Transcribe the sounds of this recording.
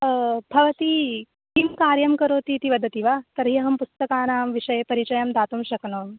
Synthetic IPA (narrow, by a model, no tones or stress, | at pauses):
bʱɐʋɐt̪i | kimkaːɾjɐmkɐɾoːt̪it̪iʋɐd̪ʱət̪iʋat̪ɐɾɦiɐɦɐmpust̪ɐkaːnaːmʋiʂɐjepɐɾit͡ʃɐjɐmd̪ʱaːt̪umɕɐknoːm